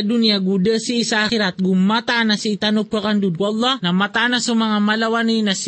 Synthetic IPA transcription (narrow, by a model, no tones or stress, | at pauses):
d̪unjaɡud̪ɛsiʔisaaxiɾat̪̚ɡummat̪anasiːt̪anop̚kakand̪ud̪̚klˠˤːɑnɐmat̪anasumɐŋamalawaninɐs